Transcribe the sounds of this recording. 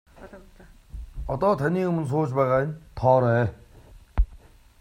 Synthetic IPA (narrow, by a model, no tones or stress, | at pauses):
ɔt̪ɔːt̪ʰaniːɵmɵ̆ns̬ʊːt͡ɕpæːʁaːjɪ̆nt̪ʰɔːɾæː